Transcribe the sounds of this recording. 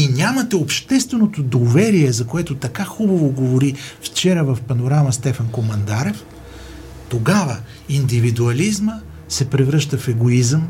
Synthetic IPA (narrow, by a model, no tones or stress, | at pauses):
inʲamɐt̪ɛopʃt̪ɛst̪vɛnot̪od̪ovɛɾiɛzɐkoɛt̪ot̪ɐkaxubɐvoɡovoɾift͡ʃɛɾəvɐfpɐnoɾaməst̪ɛfɐnkomɐnd̪aɾɛf | t̪oɡavə | ind̪ivid̪uɐlizmə | sɛpɾɛvɾɤʃt̪əfɛɡoizəm